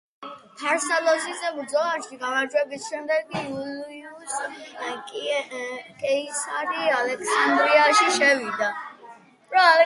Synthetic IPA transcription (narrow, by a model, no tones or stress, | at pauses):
pʰaɾsɛlɔzizɛbd̪zɔaʃkiɡamad͡ʒwɛbisʃɛmd̪ɛɡɡiuliuskʼ | kʼɛisaɾialɛkʰsand̪ɾiaʃiʃɛvid̪a | ɾɔalɛ